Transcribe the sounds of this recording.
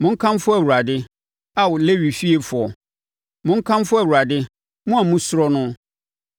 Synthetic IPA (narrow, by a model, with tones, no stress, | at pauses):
mʊ̃˦ŋ̩˦kʰã˦m˦fʊ˦æ˨wu˨a˨dɪ˦ | a˦wʊ˨le˦ɥi˨fi˦e˨fʊ˨ɔ˨ | mʊ̃˦ŋ̩˦kʰã˦m˦fʊ˦æ˨wu˨ɾa˨dɪ˦ | mũ˦a˨mũ˦sʊ˦ɾɔ˦nʊ̃˦